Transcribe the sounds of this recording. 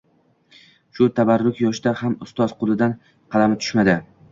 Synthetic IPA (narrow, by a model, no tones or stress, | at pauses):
ʃʊt̪ʰabaɾːʊkʲjɒʃd̪ahamʊst̪ɒzqʰʊlˠɪd̪an | qʰɑlamɪt̪ʰʊ̥ʃmad̪ɪ